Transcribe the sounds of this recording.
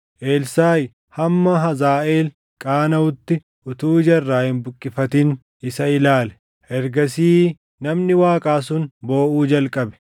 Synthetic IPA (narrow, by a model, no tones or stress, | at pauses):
ʔeːlsaːj | hɐmːɐɦɐzaːʔeːl | kʼaːnɐʊt̪ːɪ | ʔʊt̪uːd͡ʒɐrːaːhɪnbʊkʼːɪfɐt̪ɪn | ɪsɐɪlaːlɛ | ʔɛɾɡɐsiː | nɐmnɪwaːkʼaːsʊnbo̞ːʔuːd͡ʒɐlkʼɐbɛ̥